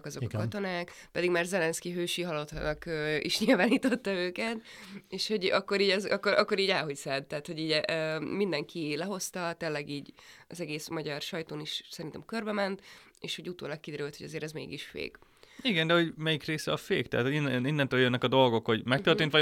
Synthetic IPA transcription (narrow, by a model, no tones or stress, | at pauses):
kɒzokɒkɒt̪o̞naːk | pɛd̪iɡmaːrzɛlɛnskiɦøːʃiɦɒlot̪hɒnɒkøːḭʃɲilvaːniːt̪o̞t̪ːɒøːkɛt̪ | eːʃho̞ɟɒkːo̞ɾiːɟɛzɒkːoɾʔɒ̰kːo̞ɾiːɟaːlɦo̞csɛd̪t̪ɛɦːt̪ho̞ɟiːɟmind̪ɛŋkʰilɛɦo̞st̪ɒt̪eːlːɛɡiːɟɒzɛɡeːsmɒɟɒrʃɒjt̪oːniʃsɛɾint̪ɛ̰mkørbɛmɛnt̪eːʃho̞ɟut̪o̰ːlɒk̚kːid̪ɛɾylt̪hoɟɒzeːɾɛzmḛːɡiʃfḛːɡ | iɡɛnd̪ɛho̞ɟmɛjikreːsɛɒfeːkt̪ɛaːt̪hoininːɛnt̪øːljønːɛkɒd̪o̞lɡo̞kho̞ɟmɛkt̪ørt̪eːnt̪ʋɒ